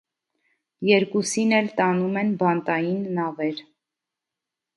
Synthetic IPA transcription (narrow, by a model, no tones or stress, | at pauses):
jɛɾkusinɛlt̪ɑnumɛnbɑnt̪ɑjinːɑvɛɾ